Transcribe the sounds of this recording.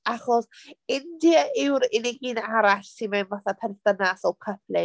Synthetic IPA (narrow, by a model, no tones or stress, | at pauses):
aχɔsɪndiʔɪwɾɪnɪɡiːnaɾaɬsimanvaθapʰɛrɬənasɔwkʰəblɪ